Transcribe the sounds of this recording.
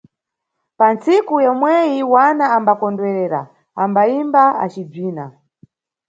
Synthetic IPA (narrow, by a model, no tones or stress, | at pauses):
pant͡sikujɔmwɛjiwanaːmbakɔndwɛɾɛːɾa̰ | ambaimbaa̰t͡ʃib͡ʐiːna̰